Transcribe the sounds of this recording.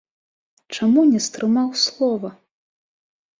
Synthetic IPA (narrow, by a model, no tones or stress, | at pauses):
t͡ʂamunʲɛst̪ɾɨmawslˠɔvɐ